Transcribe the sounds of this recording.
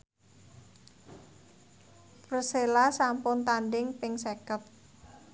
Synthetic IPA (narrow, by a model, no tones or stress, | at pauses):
prəselasampʊnt̪andɪŋpɪŋsekəp̚